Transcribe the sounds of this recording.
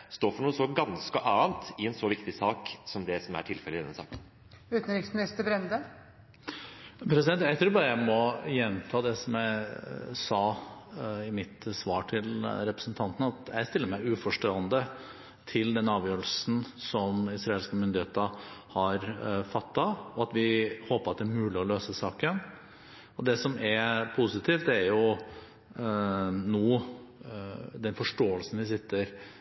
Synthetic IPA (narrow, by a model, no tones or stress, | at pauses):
st̪oːfɔɳuːəsɔɡɑnskəʔɑːnt̪ɪɛnsɔʋɪkt̪ɪsɑːksɔmd̪ɛsɔmæ̰ʈʰɪlfɛlːəɪd̪ɛnəsɑ̰ːkən | ʉːt̪n̩ɾɪksmɪnɪst̪əbɾɛnd̪ə | pʰɾɛsɪd̪ɛnt̪jæɪt̪ʰɾuːɾbɑːɾəjæɪmɔjɛnːt̪ʰɑːd̪ɛsɔmjæɪsɑː | ɪmɪt̪sʋɑːʈʰɪlɾɛpɾəsn̩t̪ʰɑnt̪ənəɑt̪jæɪst̪ɪlːəɾmæɪʉːfɔʂʈoːənd̪ə | t̪ʰɪld̪ɛnɑːʋjøːɾəlsn̩sɔmɪsɾɑeːlskəmʏnd̪ɪheːt̪əhɑɾfɑt̪ːɑʋɔɑt̪ʋɪhoːpəɾɑt̪d̪ɛæɾmʉːlɪɔløːsəsɑːkən | ɔd̪ɛsɔmɛɾpʰusɪt̪ʰiːft̪d̪æɾjʊ | noː | d̪ɛnfɔʂʈoːəlsn̩ʋɪs̬ɪt̪ːəɾ